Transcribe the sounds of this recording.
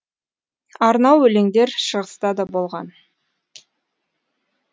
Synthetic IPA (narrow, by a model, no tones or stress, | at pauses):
ɑɾnɑwɵle̞ŋd̪e̞ɾʃəʁəst̪ɑd̪ɑbo̞lˠʁɑn